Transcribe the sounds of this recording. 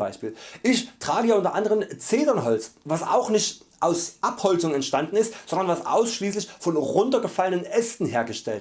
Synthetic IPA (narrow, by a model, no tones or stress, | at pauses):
baɪʃpiːlʔɪçtʁ̥aːɡəjaːʊntɐʔandəʁ̞əmt͡seːdɐnɦɔlt͡svasʔa̰ʊxnɪçtʔaʊsʔaphɔlt͡sʊŋɛntʃtandn̩ɪstz̥ɔndɐnvasʔa̰ʊsʃliːslɪçfɔnʁʊntɐɡəfalənənʔɛstn̩ɦeːɐɡəʃtɛlt